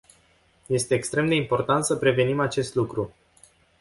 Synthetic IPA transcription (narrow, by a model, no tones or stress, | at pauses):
je̞st̪e̞ːkst̪ɾe̞md̪e̞impo̞rt̪ant̪səpɾe̞ve̞nimat͡ʃe̞st̪lukɾu